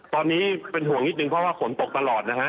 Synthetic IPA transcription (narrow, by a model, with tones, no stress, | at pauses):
t̪ɔː˧nːiː˦˥pe˧nɦu˨˩˦əŋni˦t̪̚nɯ˧ŋpʰɾɔ˦˥waː˥˩kʰo˩˦nt̪o˨˩k̚t̪a˧lɔː˨˩t̪̚na˦˥kʰa˦˥ʔ